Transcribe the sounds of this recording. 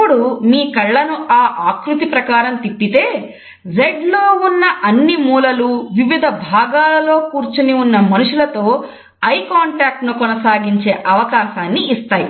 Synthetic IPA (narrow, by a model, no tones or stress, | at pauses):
pːuɽumiːkɐɭːɐnuʔaːʔaːkɾut̪ipɾɐkaːɾɐmt̪ipːit̪e̞ː | ɾeɖloːunːɐʔɐnːimuːlɐluʋiʋid̪ʱɐbʱaːɡaːlɐlo̞ːkuːɾt͡ʃuniunːɐmɐnuʂulɐt̪o̞ː | ɐjkaːɳʈaːk̚ʈnukɔnɐsaːɡiɲt͡ʃe̞ːʔɐʋɐkaːʃaːnːiːst̪aːjḭ